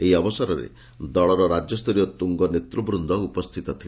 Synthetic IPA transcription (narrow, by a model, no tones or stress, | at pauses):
eɦiɔbɔsɔɾɔɾḛ | d̪ɔɭɔɾɔɾad͡ʒɔst̪ʰɔɾijɔt̪uŋɡɔnet̪ɾubɾund̪ʱɔupɔst̪ʰit̪ɔt̪ʰil